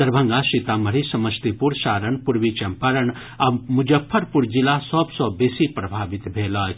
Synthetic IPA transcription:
dɐɾbʱɐ̃ŋɡasit̪aməɾisɐmɐst̪ipuɾsaːɾəɳpuɾʋit͡ʃɐmpəɾən | amud͡ʒɐpʰːɐɾpuɾd͡ʒilasɔːbsɔbeːsipɾɐbʱaːʋit̪bʱeːlaː

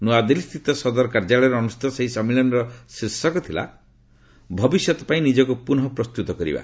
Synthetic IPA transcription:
nuad̪elist̪ʰit̪ɔsɔd̪ɔɾɔkaɾd͡ʒaɭɔjɾɔɔnusi̥t̪ɔseɦisɔmiɭɔnɔɾɔsiɾsɔkɔt̪ʰila̰ | bʱɔbisjɔt̪ɔ̥paĩnid͡ʒɔkupunɦɔpɾɔst̪ut̪ɔkɔɾḭba̰

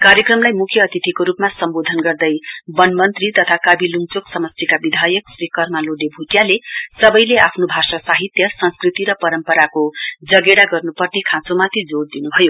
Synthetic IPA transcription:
kaɾjʌkrʌmlajmukʰjʌːt̪it̪ʰikoɾupmasʌmbod̪ʱʌnɡʌrd̪ʌjbʌnmʌnt̪rit̪ʌt̪ʰakabiluŋt͡soksʌmʌst̪ikabid̪ʱajʌksrikʌrmaloɖebʱuʈjalesʌbʌjleapʰnobʱasasaɦit̪jʌsʌ̃nskrit̪iɾʌpʌɾʌmpʌɾakod͡zʌɡeɽaɡʌrnupʌrnekʰãt͡somat̪ʰid͡zoɽd̪inubʱʌjo

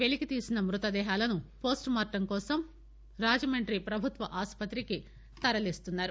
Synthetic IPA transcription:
ʋe̞likit̪iːsinɐmɾut̪ɐd̪ɛːɦaːlɐnupo̞ːsʈmaːɾʈɐmkɔːsɐm | ɾaːd͡ʒɐmɐɳʈɾipɾɐbʱut̪ʋɐʔaːspɐt̪ɾiki | t̪ɐɾɐlist̪unːaːɾu

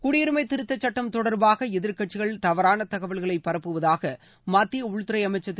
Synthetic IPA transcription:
kʊɽɪjɪɾɯmɐɪt̪ːɪɾɯt̪ːɐt͡ʃːɐʈːɐmt̪ɔɽɐɾbaːɣɐɛðɪɾkɐʈt͡ʃːɪɣɐɭt̪ɐʋɐɾaːnɐt̪ɐɣɐʋɐɭɣɐɭɐɪpːɐɾɐpːɯʋɐðaːɣɐ | maːt̪ːɪjɐʊɻʊt̪ːɪɾɐɪɐmɐɪt͡ʃːɐt̪ː

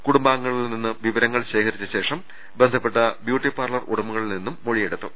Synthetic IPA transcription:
kuɽumbaːŋːɐɭilninːɨʋiʋɐɾɐŋːɐɭɕe̞ːkɐɾit͡ɕːɐɕe̞ːʂɐm | bend̪ʱɐpːe̞ʈːɐbjuːʈːipaːrlɐrṵɽɐmuɣɐɭilninːumːoɻije̞ɽut̪ːu

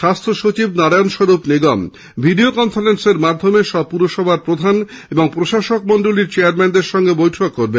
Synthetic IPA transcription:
ʃast̪ʰoʃot͡ɕib̚naɾajonʃoɾupniɡɔm | bʱiɖiokɔnfalenseɾmad̪ʱːomeʃɔb̚puɾoʃɔbʱaɾpɾod̪ʱaneboŋpɾoʃaʃokmɔnɖoliɾt͡ɕeaɾmɛnd̪eɾʃɔŋɡebojʈʰokːoɾben

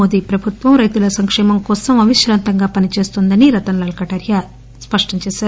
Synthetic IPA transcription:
oːd̪iːpɾɐbʱut̪ʋɐmɾɐjt̪ulɐsɐŋkʂɛːmɐmkɔːsɐmɐʋiʃɾaːnt̪ɐŋɡaːpɐnit͡ʃe̞ːst̪und̪ɐniɾɐt̪ɐnlɐlkɐʈɐɾja | spɐʂʈɐɲt͡ʃɛːʃaːɾu

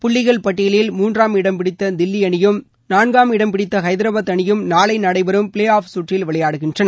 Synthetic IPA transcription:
pʊɭːɪɣɐɭpɐʈːɪjɐlɪlmuːndraːmɪɽɐmpɪɽɪt̪ːɐd̪ɪlːɪɐɳɪjɯm | naːnɡaːmɪɽɐmpɪɽɪt̪ːɐxɐɪðɪɾɐbɐt̪ːɐɳɪjɯmnaːɭɐɪnɐɽɐɪbɐɾɯmpɪɭeːaːfsuːʈrɪlʋɪɭɐjaːɽɯɣɪndrɐnɐ

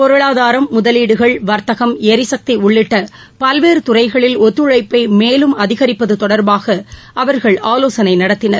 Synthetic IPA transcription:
pɔɾɯɭaːðaːɾɐmːʊðɐliːɽɯɣɐɭʋɐɾt̪ɐɣɐmɛɾɪsɐk̚t̪iʊɭːɪʈːɐ | pɐlʋeːɾɯt̪ʊrɐɪɣɐɭɪlɔt̪ːɯɻɐɪpːɐɪmeːlɯmɐðɪɣɐɾɪpːɐðɯt̪ɔɽɐɾbaːɣɐʔɐʋɐɾɣɐɭaːloːsɐnɐɪnɐɽɐt̪ːɪnɐɾ

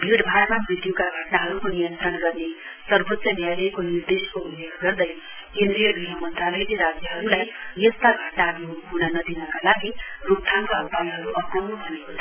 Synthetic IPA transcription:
bʱiɽbʱaɽmabid̪jokaɡʱʌʈnaɦʌɾukonijʌnt̪ɾʌnɡʌrne | sʌrbot̪sʌnjajlʌjkonird̪eskoulːeɡʱɡʌrd̪ʌj | kẽnd̪ɾijʌɡɾiɦʌmʌnt̪ralʌjleɾad͡zjʌɦʌɾulajjʌst̪aɡʱʌʈnaɦʌɾuɦuɽʌnʌd̪inʌkalaɡiruk̚t̪ʰaŋkaʌpajɦʌɾuʔʌpʌmnubʱʌnekot̪ʰ

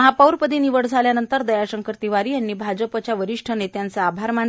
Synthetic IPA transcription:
ɦapəwɾpəd̪iniʋəɽd͡zʱaljanənt̪əɾd̪əjaɕəŋkəɾt̪iʋaɾiːjanːiːbʱad͡zəpət͡ɕjaʋəɾiʂʈʰənet̪jant͡saːbʱaɾman

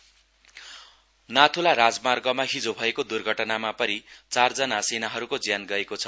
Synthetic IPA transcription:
nat̪ʰulaɾad͡zmarɡʌmaɦid͡zobʱʌekod̪urɡʱʌʈʌnamapʌɾit͡sard͡zʌnasenaɦʌɾukod͡zjanɡʌekot͡sʰʌ̥

